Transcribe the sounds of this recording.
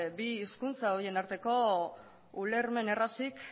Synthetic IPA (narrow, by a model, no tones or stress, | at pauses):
biːskunt͡saoɾienaɾt̪e̞ko̞ | ule̞ɾme̞ne̞rasik